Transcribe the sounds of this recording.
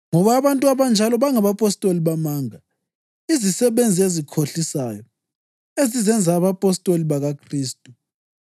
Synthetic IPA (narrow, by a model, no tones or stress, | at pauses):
ŋɔβaːβantʼuaβand͡ʒʱalɔβaŋaβapʼɔstʼoliβamaŋa | izisɛβend͡zʱiezikʰoɬisaːjɔ | ezizɛnd͡zʱaːβapʼɔstʼoliβaɣakʰriːstʼu